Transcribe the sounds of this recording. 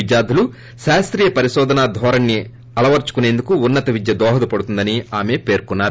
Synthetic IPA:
id̪jaːd̪ʱulu | ʃaːst̪ɾiːjɐpɐɾiʃɔːd̪ʱɐnaːd̪ʱʋɔːɾɐnːi | ɐɭɐʋɐɾt͡ʃu̥kune̞ːnd̪ukuːnːɐt̪ɐʋid̪jɐd̪ɔːɦɐlupɐɽut̪und̪ɐniaːme̞ːpe̞ːɾkunːaːɾu

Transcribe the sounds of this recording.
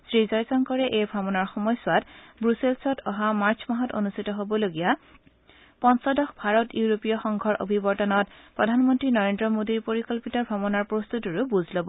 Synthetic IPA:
sɹizɔjzɔŋkɔɹɛʔejbʱɹɔmɔnaɹxɔmɔjsʊwatbɹuselsɔtʰɔɦamaɹt͡ʃʰmaɦɔto̰nustʰitɔɦobɔloɡija | pɔnsɔdɔxbʱaɹɔtjuɹopijɔxɔŋɡʱɔɹʔo̰bʱibɔɹtɔnɔtpɹɔdʱanmɔntɹinɔɹendɹɔmodiɹpoɹikɔlpitɔbʱɔmɔnaɹpɹost̪utiɹubuzʱlobɔ

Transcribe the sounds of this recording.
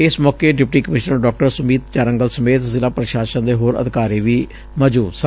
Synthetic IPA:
ɪsmɔːkeːɖɪp̚ʈiːkəmɪʃnəɾɖɔːk̚ʈəɾsʊmiːt̪t͡ʃaːɾə̃ŋɡəlsəmeːt̪zɪlaːpɾəʃaːʃə̃nd̪eːɦoːɾə̰d̪ɪkaːɾiːʋiː | məːd͡ʒuːd̪s

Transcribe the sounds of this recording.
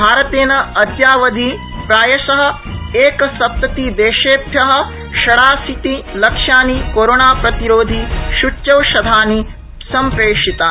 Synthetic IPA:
bʱaːɾɐt̪eːnɐɐd̪jaːʋɐd̪ʱi | pɾaːjɐʃɐɦɐ̆ | eːkɐsɐp̚t̪ɐt̪id̪eːʃeːt̪jɐɦɐ̆ | kʃɐɽaːsit̪ilɐkʂjaːnikoːɾoːnaːpɾɐt̪iɾoːd̪ʱiʃut͡ʃt͡ʃɐwʃɐd̪ʱaːni | sɐmpɾeːʂit̪aː

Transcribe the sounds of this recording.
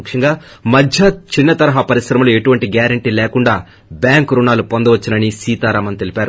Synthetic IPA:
kʂɐŋɡaːmɐdʱjɐt͡ʃinːɐt̪ɐɾɐɦaːpɐɾisɾɐmɐloe̞ʈuʋɐɳʈiɡjaːɾɐɳʈiːlɛːkuɳɖaː | bjaːŋkɾunaːlupond̪ɐʋɐt͡ʃːinɐnisiːt̪aːɾaːmɐnt̪e̞lipʲaːɾu

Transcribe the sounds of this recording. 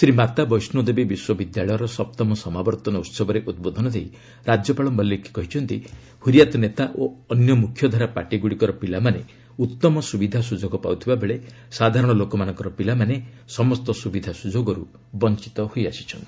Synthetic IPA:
sɾimat̪abɔjsnud̪ebibiswɔbid̪jaɭɔjɔɾɔsɔp̚t̪ɔmɔsɔmabɔɾt̪ɔnɔut̪sɔbɔɾeʔud̪̚bod̪ʱɔnɔd̪ʱei | ɾad͡ʒjɔpaɭɔmbɔlːeki̥kɔɦit͡ʃʰɔnt̪i | huɾijat̪ɔnet̪aʔoɔnjɔmukʰjɔd̪ʱaɾapa̰ʈiɡuɽikɔɾɔpilamane | ut̪ːɔmɔsubid̪ʱasud͡ʒoɡɔpa̰wt̪ʰibabeɭe | sad̪ʱaɾɔɽ̃ɔlokɔmanɔŋkɔɾɔpilamane | sɔmɔst̪ɔsubid̪ʱasud͡ʒoɡɔɾu | bɔnt͡ʃi̥t̪ɔhojasi̥t͡ʃʰɔnt̪i

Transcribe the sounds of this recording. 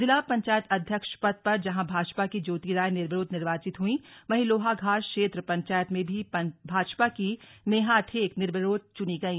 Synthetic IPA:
zɪlaːpɐ̃ɲt͡ʃaːjət̪ɐd̪ʱjəkʃpɐd̪̚pɐɾd͡ʒɐɦãbʱaːd͡ʒpakid͡ʒoːt̪iɾaːjnɪɾbɾoːd̪ʱnɪɾʋaːt͡ʃɪt̪ɦuĩmɐɦɪloːɦaɡʱaːʃkʃeːt̪ɾəpɐ̃ɲt͡ʃaːjət̪mẽbʱibʱaːd͡ʒpakineːɦaʈʰeːknɪɾbəɾoːd̪̚t͡ʃʊniɡɐiː

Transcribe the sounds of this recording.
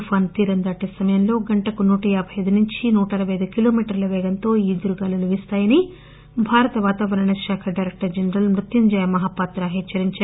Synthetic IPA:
pʰaːnt̪iːɾɐnd̪aːʈːɐsɐmɐjɐmlo̞ːɡɐɳʈɐkunuːʈɐjaːbʱɐjɐjd̪unuɲt͡ʃinuːʈɐɾɐʋɐjɐd̪ukilo̞ːmiːʈɐɾlɐʋɛːɡɐnt̪o̞ːiːd̪uɾuɡaːluluʋist̪aːjɐni | bʱaːɾɐt̪ɐʋaːt̪aːʋɐɾɐɳɐʃaːkʰɐɖɐjɾek̚ʈɐɾd͡ʒɐnɾɐlmɾut̪ːiɲd͡ʒaːjɐmɐɦaːpaːt̪ɾaːɦeːt͡ʃːɐɾiɲt͡ʃa

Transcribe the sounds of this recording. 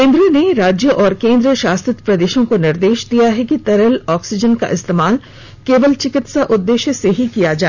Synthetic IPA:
kẽːnd̪ɾõneɾaːd͡ʒjəʔɔːɾkẽːnd̪ɾəʃaːst̪ɾɪt̪pɾɐd̪eːʃõkonɪɾd̪eːʃd̪ijaɦɛkit̪ɐɾəlɔːksɪd͡ʒənka̰ʔɪst̪eːmaːl | keːʋəlt͡ʃɪkɪt̪saʔʊd̪ːeːʃjəseɦikijad͡ʒaːe

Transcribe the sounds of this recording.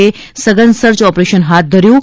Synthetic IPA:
e | səɡənd̪səɾt͡ʃɔpɾeʃənɦat̪̚d̪ʱəɾjũ

